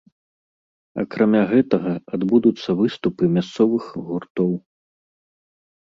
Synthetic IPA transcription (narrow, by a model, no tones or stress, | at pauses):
ɐ̰kɾamʲaɣɛt̪ɐɣɐad̪bud̪ut̪sːɐvɨst̪upɨmʲast̪sɔvɨxɣurt̪ɔw